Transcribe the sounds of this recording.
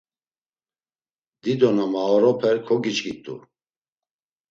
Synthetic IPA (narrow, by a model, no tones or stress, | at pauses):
d̪id̪ɔnamaɔɾɔpʰɛɾkʰɔɡit͡ʃʼɡit̪ʼṵ